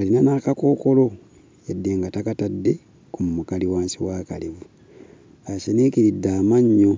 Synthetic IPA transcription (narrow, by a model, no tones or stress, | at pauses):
alinanaːkako̞ːko̞lo̞ | jadːeːŋɡatakatadːe̞ | kumumukaliwaːnsiwaːkalivu | aʃenikiɾidːaːmaɲːo